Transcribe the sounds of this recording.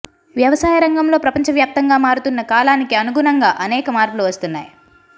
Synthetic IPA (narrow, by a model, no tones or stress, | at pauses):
ʋjɐʋɐsaːjɐɾɐŋɡɐmlo̞ːpɾɐpɐɲt͡ʃɐʋjaːp̚t̪ɐŋɡaːmaːɾut̪unːɐkaːlaːnikiɐnuɡunɐŋɡaːʔɐnɛːkɐmaːɾkuluʋɐst̪unːa̰ːji